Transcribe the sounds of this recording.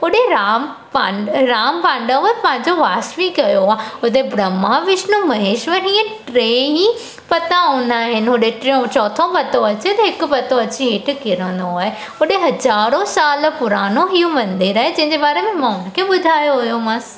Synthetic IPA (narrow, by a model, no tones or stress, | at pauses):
oɗeɾaːm | paɾaːmpãːɳɖə̃ʋepãːɪ̃ɲd͡ʑoʋaːsʋĩkɐjoaːʊt̪̬ebɾəmːaʋɪʃnũmɐɦeːʃʋəɾɦiːẽʈɾeːɦĩ | pɐt̪aõːnd̪aːɦɪnɦoɗeʈɾeõt͡ʃɔːt̪ʰõpɐt̪õɐt͡ʃet̪eɦɪkpɐt̪õɐt͡ʃiɦɪːʈʰkɪɾə̃nd̪oɦaːe | oɗeɦɐzaːɾõsaːlpʊɾaːnoɦiũmɐ̃nd̪ɪɾɐɦed͡ʑɐ̃ɦɪ̃ɲd͡ʒebaːɾemẽmãʊnkʰeɓʊd̪ʱaːjoɦojoːmãs